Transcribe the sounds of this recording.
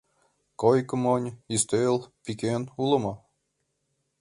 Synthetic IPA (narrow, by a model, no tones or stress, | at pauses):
kojkɤ̆monʲist̪elpikenulɤ̆mɑ